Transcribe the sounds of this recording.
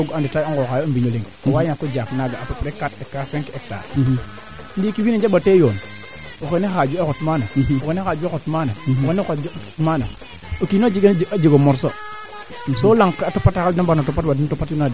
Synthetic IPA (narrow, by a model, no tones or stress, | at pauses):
oɡanditaoŋɡokajobiɲoleŋwajakːod͡ʒaknaɡaapepɾekatekːaseŋkeek̚ta̰ | ndikiwinind͡ʒebatejon | okenexad͡ʒuekotmanaokenexad͡ʒuekotmanakenekmana̰ | okinod͡ʒiɡend͡ʒad͡ʒiɡomoɾso | solaŋkatopatakaldanbanatopatwadintopatunad